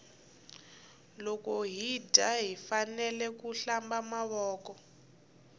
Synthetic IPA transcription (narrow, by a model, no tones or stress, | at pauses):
lɔkɔɦidʱaɦifanɛlɛkuɬambamaβɔːkɔ